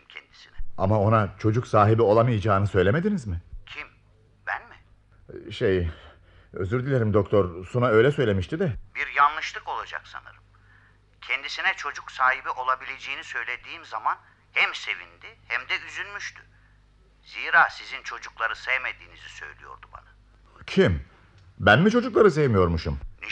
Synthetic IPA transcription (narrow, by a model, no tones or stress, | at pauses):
imcʰɛnd̪isinɛamao̞nat͡ʃʰo̞d͡ʒuksaːɦibio̞lˠamajad͡ʒaːnɯsø̞jlʲemed̪inizmɪcʰim | b̥ænmɪ | ʃej | ø̰zyɾd̪ilʲeɾimd̪o̞k̚t̪ʰoɾsunaø̞jlʲɛsø̞jlʲe̞miʃt̪id̪ɛbiɾjanlˠɯʃlˠɯko̞lˠad͡ʒa̰ksa̰nɯ̰ɾɯm | cʰɛnd̪isinɛt͡ʃʰo̞d͡ʒuksaːɦibiʔo̞lˠabilʲe̞d͡ʒeːnisø̞jlʲe̞d̪iːmzaman | hɛmse̞vḭnd̪ihɛmd̪ɛyzynmyʃt̪ʰy | ziːɾaːsizint͡ʃʰo̞d͡ʒuklˠaɾɯsɛjmed̪iːnizisø̞̰jlʲijo̰ɾd̪uba̰na | cʰim | bænmit͡ʃʰo̞d͡ʒuklˠaɾɯs̬ejmijo̞ɾmuʃumni